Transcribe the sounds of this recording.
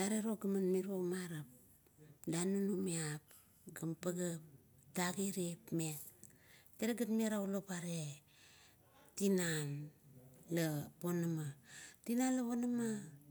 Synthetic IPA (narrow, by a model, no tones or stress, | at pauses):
aɾeɾoɡamanmiɾomaɾap̚ | danunumiap | ɡampaɡap̚ | taɡiɾepmekteɾeɡatmeɾaulopaɾe | tinan | lapo̞namatinanlaponama